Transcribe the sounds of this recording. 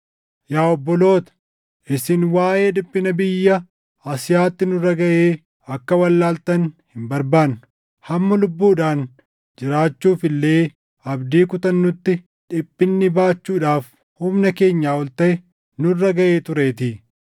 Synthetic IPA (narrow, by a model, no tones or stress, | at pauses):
jaːɔbːɔlo̞ːt̪ɐ̥ | ʔɪsɪnwaːje̞ːd̪ʊpʼːɪnɐbɪjːɐ | ɐsɪjaːt̪ːɪnʊrːɐɡɐʔeː | ɐkːɐwɐlːaːlt̪ɐnhɪmbɐɾbaːnːʊ̥ | hɐmːɐlʊbːuːᶑaːn | d͡ʒɪɾaːt͡ʃːuːfɪlːe̞ː | ɐbd̪iːkʊt̪ɐnːʊt̪ːɪ | ᶑɪpʼːɪnːɪbaːt͡ʃːuːᶑaːf | hʊmnɐke̞ːɲːaːɔlt̪ɐʔɛ | nʊrːɐɡɐʔeːt̪ʊɾe̞ːt̪i